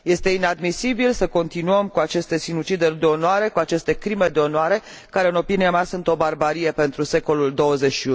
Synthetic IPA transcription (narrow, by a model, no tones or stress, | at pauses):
je̞st̪e̞inad̪misibilsəko̞nt̪inuəmkuat͡ʃe̞st̪e̞sinut͡ʃid̪ed̪eo̞nwaɾe̞kuat͡ʃe̞st̪e̞kɾime̞d̪eo̞noaɾe̞ | kaɾe̞ɨno̞piniamasunt̪o̞barbaɾije̞pe̞nt̪ɾuse̞ko̞luld̪o̞wəze̞ʃiu